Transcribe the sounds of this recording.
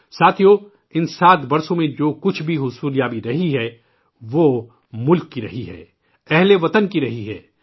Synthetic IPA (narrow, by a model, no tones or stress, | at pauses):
saːt̪ʰijoː | ɪnsaːt̪ʰbɐɾsõmẽd͡ʒoːkʊt͡ʃʰbʱiɦʊsuːljaːbiɾɐɦiɦɛ | ʋoː | mʊlkːiɾɐ̰ɦiɦɛ̰ː | ɛɦleʋɐt̪ənkiɾɐɦiɦɛː